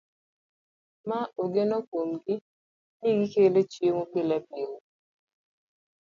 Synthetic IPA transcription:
maoɡenɔkomɡɪ | niɡikelet͡ʃjemopɪlɛpjeo

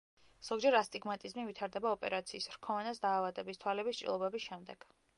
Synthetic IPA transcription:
z̥ɔɡd͡ʒɛɾast̪ʼiɡmat̪ʼizmivit̪ʰaɾd̪ɛbaɔpʼɛɾat̪sʰiːsɾkʰɔvanasd̪aːvad̪ɛbist̪ʰwalɛbist͡ʃʼḭlˠɔbɛbisʃɛmd̪ɛɡ̥

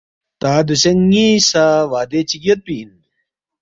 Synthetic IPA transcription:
t̪aːd̪uɕɐŋisaːʋaːd̪et͡ɕiɡɐt̪̚pin

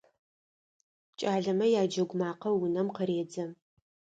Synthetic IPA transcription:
t͡ʃʼaːɮɐmɐjaːd͡ʒɐɡʷʊmaːqɐwʊnɐmqəɾeːd͡zɐm

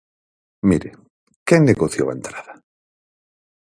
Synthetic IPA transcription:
miɾe | keŋneɣoθjo̰a̰nt̪ɾaða

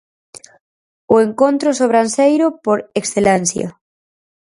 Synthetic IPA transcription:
oeŋkont̪ɾosoβɾansejɾopoɾeksθelensja̰

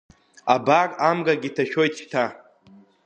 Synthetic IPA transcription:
abaramɡaɡʲitʰaʃᶣojtʰʃtʰa

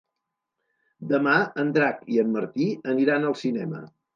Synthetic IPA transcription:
d̪əmaənd̪ɾakiəmːəɾt̪iəniɾanəlˠsinɛmə̰

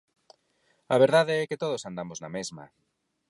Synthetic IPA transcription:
ɐβ̞eɾð̞aðeɛket̪oð̞osand̪amoznamezmɐ̰

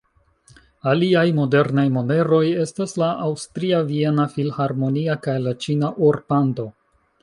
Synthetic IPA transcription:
aliajmo̞de̞ɾnajmo̞ne̞ɾo̞je̞staslaʔawstɾiavie̞nafilhaɾmo̞niakajlat͡ʃinaʔoɾpando̞

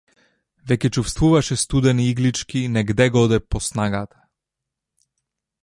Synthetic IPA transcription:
vɛkʲɛt͡ʃufst̪vuvaʃɛst̪ud̪ɛniiɡlit͡ʃkinɛɡd̪ɛɡɔd̪ɛpɔsnaɡat̪ḁ

